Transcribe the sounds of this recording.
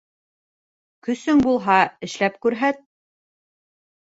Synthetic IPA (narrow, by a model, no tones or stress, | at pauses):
kɵ̆sɵŋbulˠɦɑɘ̆ʃlæpkʉɾɦæt̪̚